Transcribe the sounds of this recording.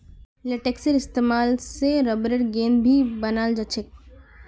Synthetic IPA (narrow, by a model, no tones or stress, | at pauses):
leʈeːksəɾɪst̪eːmaːlseɾɐbɾeʈɡeːnbʱibɐnaːld͡ʒɐt͡ʃʰɪk̚